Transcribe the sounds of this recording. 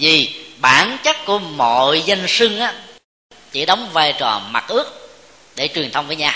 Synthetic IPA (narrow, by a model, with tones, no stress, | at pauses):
vi˨˩ɓaː˧˩nt͡ɕə˦˥t̚ku˧˩əmo̰˧˨jzə˧jŋsɨ˧ŋʔaː˨˦ | t͡ɕḭ˧˦ɗə˨˦wŋ͡mvaː˧jt͡ɕɔ˨˩ma˨˩t̚ʔɨ˦˥ək̚ | ɗe˧˩t͡ɕwi˨˩əŋnt̪ʰə˧wŋ͡mvəː˧˦ɲaː˧